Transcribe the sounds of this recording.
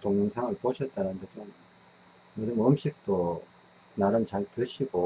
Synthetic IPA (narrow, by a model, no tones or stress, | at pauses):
toŋɲuŋsʰaŋɯɭp͈oɕʰʌt̚t͈aɾanɯndepʌn | mɯdɯmɯmɕ͈ik̚t͈o | naɾɯnt͡ɕaɭtɯɕʰiɡo